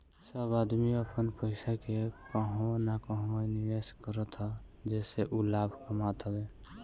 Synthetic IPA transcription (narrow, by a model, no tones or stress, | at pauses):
səbaːd̪miəpənpəɪsakekəɦõnakəɦõenɪʋeskəɾət̪ɦə | d͡ʒɛːseʔulaːbʱkəmat̪ɦəbe